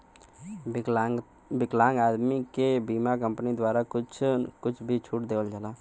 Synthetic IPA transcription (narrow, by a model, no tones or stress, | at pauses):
bɪklãːŋɡaːd̪mikebiːmak̬ə̃mpnid̪waːɾakʊt͡ʃʰkʊt͡ʃʰbʱit͡ʃʰʊʈd̪eːʋəld͡ʒaːlaː